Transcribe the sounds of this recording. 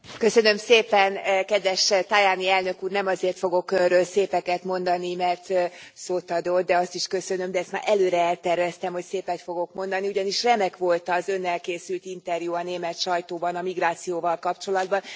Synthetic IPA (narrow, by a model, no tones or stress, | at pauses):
kø̞sø̞nø̞mseːpɛnkɛd̪ʋɛʃt̪ajaːniɛlnøkuːrnɛmɒzeːrt̪fo̞ɡo̞krøːlseːpɛkɛt̪mo̞nd̪ɒnimɛrt̪soːt̪ɒd̪o̞d̪̚d̪ɛɒst̪iʃkø̞sønø̞md̪ɛɛst̪maːɾʔɛløːɾɛɛlt̪ɛrvɛst̪ɛmho̞cseːpɛt̪fo̞ɡo̞kmo̞nd̪ɒniuɟɒniʃrɛmɛkʋo̞lt̪ɒːzø̞nːɛlkeːsylt̪int̪ɛrjuɒneːmɛt̪ʃɒjt̪oːbɒnɒmiɡraːt̪sijoːvɒlkɒpt͡ʃo̞lɒd̪̚bɒn